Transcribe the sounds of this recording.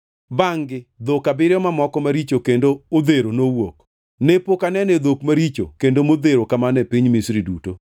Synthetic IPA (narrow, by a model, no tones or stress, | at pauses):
baŋɡɪd̪okabɪɾɪjɔmamɔkɔmaɾit͡ʃokendood̪eɾonowok | nepokanɛnɛd̪okmaɾit͡ʃokendomod̪eɾokamanɛpiɲmisɾiduto